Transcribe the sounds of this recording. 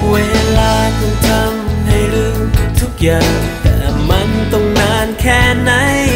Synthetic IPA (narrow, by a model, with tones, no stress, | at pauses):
weː˧˥laː˧k̪ɔ˧˩ŋt̪ʰa˧mha˧˩jɾɯ˧˥ŋt̪ʰu˦˥k̚jaː˨˩ŋt̪ɛ̰ː˨˩ma˧˥nt̪o˧˩ŋnaː˧˥nkʰɛː˧˥˩na˧˥j